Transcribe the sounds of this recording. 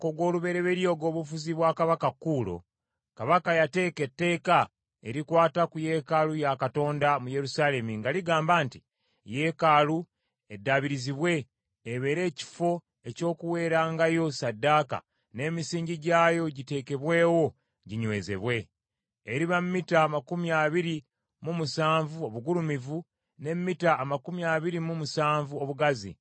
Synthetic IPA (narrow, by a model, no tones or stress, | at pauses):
koɡwo̞ːluβe̞ɾe̞βe̞ɾjo̞ːɡo̞ːβufuziβwaːkaβakakːuːlo̞̰ | kaβakajate̞ːketːe̞ːka | e̞ɾikwaːtakuje̞ːkalujakato̞ːndamuje̞ɾusale̞miŋɡaliɡaːmbaːnti | je̞kaːlu | edːaβiɾiziβwe̞ː | βe̞ɾe̞ːci̥fo̞ | e̞co̞ːkuwe̞ːɾaːŋɡajo̞sadːaːka̰ | ne̞ːmisiːɲɟiɟaːjo̞ɟite̞ːke̞βwe̞ːwo̞ | ɟiɲwe̞ːze̞̰βwe̞ | eɾiβamːitaːmakumiaβiɾi | mumusaːɱvuo̞βuɡulumivu | ne̞mːitaːmakumiaːβiɾimumusaːɱvuo̞βuɡazḭ